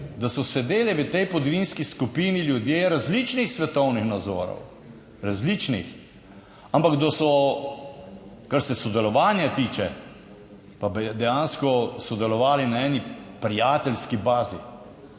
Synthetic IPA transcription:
d̪asɔsɛd̪eːlɛʋət̪ɛjpɔd̪ɔʋiːnskiskupiːniljud̪jeːɾazlit͡ʃnixsʋɛt̪ɔwnixnad̪zɔ̰ːɾɔ̰w | ɾazlit͡ʃnḭx | ampaɡd̪ɔsɔ | kaɾsɛsɔd̪ɛlɔʋaːnjat̪iːt͡ʃɛ | pabid̪ɛjaːnskɔsɔd̪ɛlɔʋaːlinaɛːnipɾijaːt̪ɛlskibaːzḭ

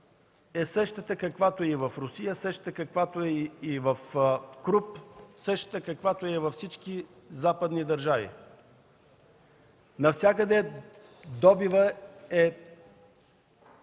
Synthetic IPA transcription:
ɛsəʃt̪ət̪əkɐkvat̪oɛivɐfɾʊsijəsəʃt̪ət̪əkɐkvat̪oɛivɐfkɾupsəʃt̪ə̥t̪əkɐkvat̪oɛvɐfsit͡ʃki | zapəd̪nid̪ɐɾʒavḭ | nɐfsʲjakəd̪ɛ | d̪ɔbivəɛ

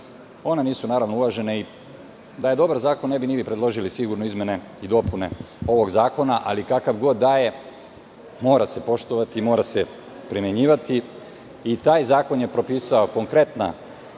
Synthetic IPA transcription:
o̞neniːsunaːɾaʋnoulˠaʒe̞nei | d̪aje̞d̪o̞baɾzaːko̞nːe̞binibipɾed̪lˠo̞ʒilisiɡuɾnoizmje̞ne̞ | id̪o̞pune̞̰o̞ʋo̞ɡzaːko̞naʔalikakaʋɡo̞d̪ːaːje̞ | mo̞ːɾase̞po̞ʃt̪oʋat̪iːmo̞ːɾase̞ | pɾimje̞ɲiːʋat̪iː | t̪aːjzaːko̞njepɾo̞piːsaoko̞ŋkɾe̞t̪na̰

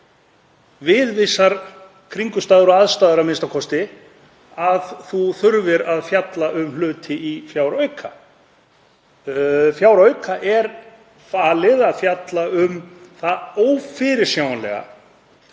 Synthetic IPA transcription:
vɪðvɪsːaɾ | kʰɾiŋkʏst̪aːðʏɾɔaðst̪aːðʏɾamɪnst̪akʰɔst̪ɪ | aðθuθʏɾvɪɾaðfjat̪laʔʏmlʏːt̪ʰɪifjaːwɾœɥkʰa̰ | fjaːwɾœɥkʰaʔɛɾ | faːlɪðaðfjat̪laʏmθaoːwfɪɾɪɾ̥sjaːwanɛ̰ɣa̰

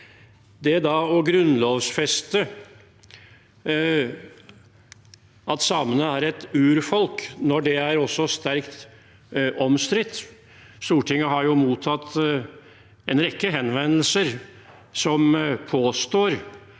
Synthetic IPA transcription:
d̪ɛæd̪ɑɔɡɾʉnloːʋsfɛst̪ə | ʔɑt̪sɑːmənəæɾɛt̪ʉːɾfɔlknɔɖɛæɾɔsːɔst̪æɾkt̪ | ɔmst̪ɾɪt̪ː | st̪uːʈʰɪŋːəɦɑɾjʊmuːt̪ʰːɑt̪ː | ɛnɾɛkːəɦɛnʋɛnəl̩səɾ | sɔmpʰoːst̪oːɾ

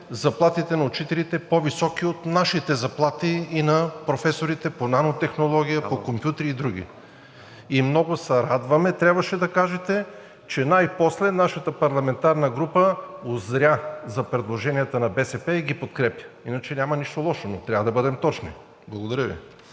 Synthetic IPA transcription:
zɐplˠat̪it̪ɛnɐʊt͡ʃit̪ɛlit̪ɛpovisɔkiot̪naʃit̪ɛzɐplˠat̪iːnɐpɾofɛsoɾit̪ɛponanot̪ɛxnolˠɔɡʲijəpokompjut̪ɾiːd̪ɾuɡ̟ʲḭ | imnɔɡʊsɐɾad̪vɐmɛt̪ɾʲabvɐʃɛd̪ɐkaʒɛt̪ɛ | t͡ʃɛnajpɔslɛnaʃɐt̪əpɐɾlˠɐmɛnt̪aɾnəɡɾupəozɾʲazɐpɾɛd̪lˠoʒɛnijɛt̪ənɐbɛsɛpɛiɡipot̪kɾɛpjə̥inɐt͡ʃɛnʲamɐniʃt̪olˠɔʃonot̪ɾʲavəd̪ɐbɤd̪ɛmt̪ɔt͡ʃnḭ | blˠɐɡod̪ɐɾʲjəvḭ

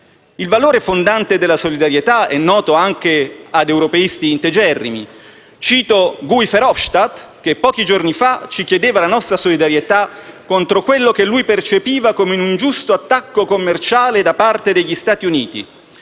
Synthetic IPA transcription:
ilvaloːɾefond̪ant̪ed̪elːasolid̪aɾjet̪aɛnːɔːt̪oaŋkead̪ewɾopeist̪iːnt̪ed͡ʒɛrːḭmḭ | t͡ʃiːt̪oɡuifɛɾɔfʃt̪at̪ | k̟epːɔːkid͡ʒornifat͡ʃikjed̪eːvalanɔst̪ɾasolid̪aɾjet̪akːont̪ɾokwelːokelːujpert͡ʃepiːvakomenund͡ʒust̪oat̪ːakːokomːert͡ʃaːled̪apart̪ed̪eʎːist̪aːt̪iuniːt̪ḭ

